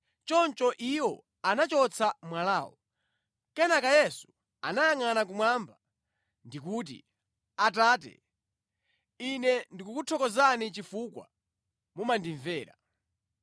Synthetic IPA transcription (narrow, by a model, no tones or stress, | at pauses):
t͡ʃɔnt͡ʃɔʔiwɔ | anat͡ʃɔt͡sʰamwalaːwɔ̰ | kɛnakajɛsu̥ | a̰najaŋanak̬umwamba | ndikuːt̬ḭ | at̬aːtɛ̰ | inɛndikukutʰɔkɔzanit͡ʃifukwa̰ | mumandiɱvɛːɾa̰